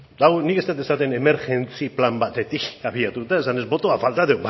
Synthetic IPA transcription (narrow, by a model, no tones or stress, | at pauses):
d̪aɣonikeset̪esat̪e̞ne̞me̞ɾʝe̞nt͡siplambat̪e̞t̪ikaβiat̪ut̪ae̞sane̞zbo̞t̪oafalt̪aðeβa